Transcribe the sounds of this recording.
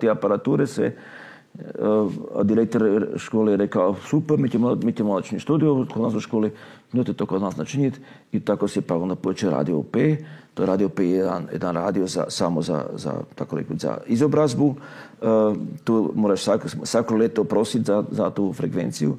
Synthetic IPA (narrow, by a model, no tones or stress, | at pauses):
t̪eapaɾat̪uːɾesḛ | d̪iɾek̚t̪oɾʃkoːlejeɾekaosupeɾmit̪emomit̪emod̪at͡ʃiɲist̪uːd̪ijokod̪naːsoʃkoːlinot̪et̪okod̪naːsnat͡ʃiɲet̪ | it̪akosepaɡond̪apoet͡ʃiɾa̰d̪io̰pet̪oeɾaːd̪iopejjed̪a̰njḛd̪anɾa̰ːd̪ioza̰samoza̰za̰t̪akoɾḛkoza̰izobɾazbu | t̪uːmoɾaʃsaksʋakolʲet̪opɾosit̪ʲzazat̪uːfɾekʋḛnt̪siju